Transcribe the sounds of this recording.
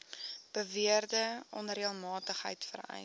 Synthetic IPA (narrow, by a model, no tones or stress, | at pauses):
b̥əviərdəʔɔnriəlˠmɑːtəχɦə̰jtfə̰ɾɛ̰j